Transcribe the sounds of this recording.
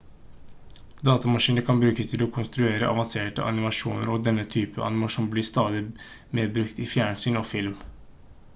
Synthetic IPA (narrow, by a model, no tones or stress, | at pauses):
d̪ɑːt̪ɑmɑʂiːnəɾkʰɑnbɾʉːkəst̪ʰɪlɔkʰʊnst̪ɾʉeːɾəʔɑ̰ʋɑnseːʈə̰ʔɑ̰nɪmɑʂuːnəɾɔd̪ɛnːət̪ʰyːpəʔɑ̰nɪmɑʂɔmblɪst̪ɑːd̪ɪ | meːd̪̚bɾʉkt̪ɪfjæːɳʂyːnɔfɪlm